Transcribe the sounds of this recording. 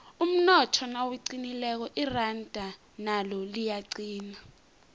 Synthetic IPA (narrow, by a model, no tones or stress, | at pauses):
um̩nɔtʰɔnawiǀinilɛk̬ɔʔirand̥ʱa | nalɔlijaǀiːna